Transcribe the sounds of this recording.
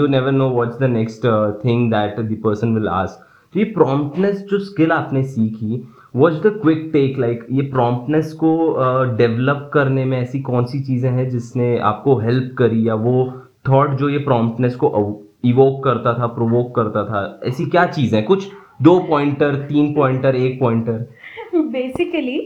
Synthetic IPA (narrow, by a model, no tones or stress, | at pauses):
unɛʋəɾnoːʋɔʈsd̪ənɛksʈt̪ʰɪ̃ŋd̪æʈd̪ipəɾsə̃nʋɪla̰ːsk̚ | t̪ojepɾɔ̃ːmp̚ʈnəsd͡ʒoːskɪlaːpnesiːki | ʋɔːt͡ʃd̪əkwɪk̚ʈeːklaɪkjepɾɔ̃ːmp̚ʈnəskoɖɛʋləp̚kɐɾnemẽɛːsikɔːnsit͡ʃiːzẽɦɛ̃d͡ʒɪsnea̰ːp̚koɦɛlp̚kɐɾijaʋo | t̪ʰɔːʈd͡ʒoːjepɾɔ̃ːmpʈnəskoʔ | ɪʋoːkːɐɾt̪at̪ʰapɾoʋoːkːɐɾt̪at̪ʰaɛ̰ːsikjaːt͡ʃiːzẽɦɛkʊt͡ʃʰd̪oːpɔ̃ːɪ̃ɳʈəɾt̪iːnpɔ̃ːɪ̃ɳʈəɾeːk̚pɔ̃ːɪ̃ɳʈəɾ | beːsɪkəli